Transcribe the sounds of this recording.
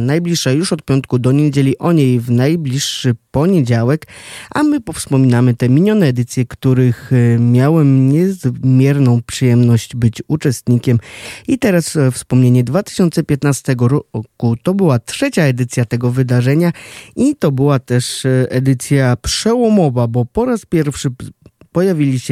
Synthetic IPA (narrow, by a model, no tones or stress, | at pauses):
najblʲiʂːajuʂɔt̪̚pʲjɔnt̪̚kud̪ɔɲed͡ʑelʲiʔɔɲejvnajblʲiʂːɘpɔɲed͡ʑawɛkʔa̰mɘpɔfspɔmʲinamɘt̪ɛmʲiɲɔnɛːd̪ɘt̪sʲjɛkt̪uɾɘxmʲjawɛmɲɛzmʲjɛɾnɔ̃w̃pʂɨjɛmnɔɕd͡ʑbɘt͡ɕut͡ʂɛst̪ɲikʲɛmit̪ɛɾasfspɔmɲeɲɛd̪vat̪ɘ̥ɕɔnt̪sɛpʲjɛt̪nast̪ɛɡɔɾɔkut̪ɔbɘwatʂɛt͡ɕaɛd̪ɘt̪sʲjat̪ɛɡɔvɘd̪aʐɛɲait̪ɔbɘwat̪ɛʂɛd̪ɘt̪sʲjapʂɛwɔmɔvabɔpɔɾaspʲjɛɾfʂɘpɔjavʲilʲiɕ